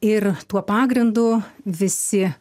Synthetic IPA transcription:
ɪrt̪uɔpɑːɡɾʲɪnd̪ʊʋʲɪsʲɪ

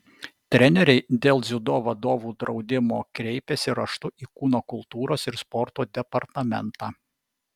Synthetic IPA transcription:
t̪ʲɾʲɛnʲɛɾʲɛɪd̪ʲeːlˠzʲʊd̪oːʋɐd̪oːʋuːd̪ɾɒʊd̪ʲɪmoːkɾʲɛɪpʲɛsʲɪɾɐʃt̪ʊʔiːkuːnoːkʊlˠt̪uːɾoːsɪɾspɔɾt̪oːd̪ʲɛpɐɾt̪ɐmʲɛ̰nt̪ɑː

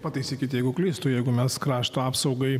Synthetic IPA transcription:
pɐt̪ɐɪsʲiːkʲɪt̪ʲjɛɪɡʊklʲiːst̪ʊjɛɪɡʊmʲɛskɾɑːʃt̪oɑːpsɐʊɡɐɪ

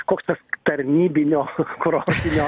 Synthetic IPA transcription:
koːkst̪ɐst̪ɐɾʲnʲiːbʲɪnʲoːkɾoːsʲɪnʲoː

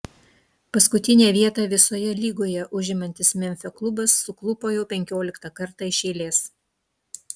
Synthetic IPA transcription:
pɐskʊt̪ʲɪnʲeːʋʲiɛt̪ɑːʋʲɪsoːjɛlʲiːɡoːjɛʔʊʒʲɪmɐnʲt̪ʲɪsmʲɛmʲfʲɛklˠʊbɐsːʊklˠʊpoːjɛʊpʲɛŋʲkʲoːlʲɪkt̪ɐkɐɾt̪ɑɪʃʲeːlʲeːs

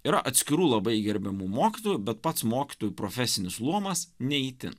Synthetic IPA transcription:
iːɾɐʔɐt̪ʲsʲkʲɪɾuːlˠɐbɐɪɡʲɛɾʲbʲɛmuːmoːkʲɪt̪oːjubʲɛt̪pɐt̪smoːkʲɪ̥t̪oːjupɾofʲɛsʲɪnʲɪslˠuɔmɐsnʲɛɪt̪ʲɪ̰

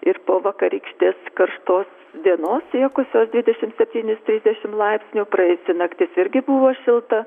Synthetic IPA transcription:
ɪrpoːʋɐkɐɾʲiːkʃʲt̪ʲeːskɐrʃt̪oːs | d̪ʲiɛnoːsʲiɛkʊsʲoːsd̪ʲʋʲɪd̪ʲɛʃʲɪmt̪sʲɛpʲt̪ʲiːnʲɪst̪ʲɾʲiːzd̪ʲɛʃʲɪmlˠɐɪpʲsʲnʲuːpɾɐɛɪsʲɪnɐkt̪ʲɪsɪɾʲɡʲɪbuʋoːʃʲɪlˠt̪ɐ

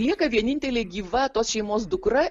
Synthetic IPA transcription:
lʲiɛkɐʋʲiɛnʲɪnʲt̪ʲɛlʲeːɡʲiːʋɐːt̪oːsʃʲɛɪmoːsd̪ʊkɾɐ

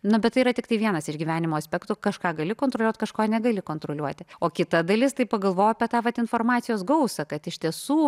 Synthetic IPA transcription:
nʊbʲɛt̪ːɐɪiːɾɐt̪ʲɪkt̪ɐɪʋʲiɛnɐsɪʒɡʲiːʋʲæːnʲɪmoːɐsʲpʲɛkt̪ukɐʃkɑːɡɐlʲɪkoːnt̪ɾolʲuɔt̪ʲkɐʃkoːnʲɛɡɐlʲɪkoːnt̪ɾoːlʲuɔt̪ʲɪoːkʲɪt̪ɐd̪ɐlʲɪst̪ɐɪpɐɡɐlˠʋoːjoɐpʲiɛt̪ɑːʋɐt̪ɪnfoːrmɑːt̪sʲɪjoːsɡɐʊsɐkɐt̪ɪʃʲt̪ʲiɛsuː

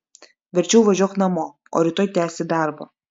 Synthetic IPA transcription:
ʋʲɛɾʲt͡ʃʲɛʊʋɐʒʲuɔːknɐmoː | o̰ːɾʲɪt̪oːjt̪ʲæːsʲɪd̪ɑˑɾbɐ̰

